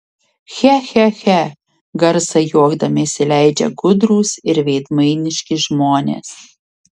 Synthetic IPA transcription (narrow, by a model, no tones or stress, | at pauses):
xʲæxʲæxʲæ | ɡɐɾsɐjuɔɡd̪ɐmʲɪsʲɪlʲæˑɪd͡ʒʲɛ̰ɡʊd̪ɾuːsɪɾʋʲɛɪd̪mɐɪnʲɪʃʲkʲɪʒmoːnʲḛːs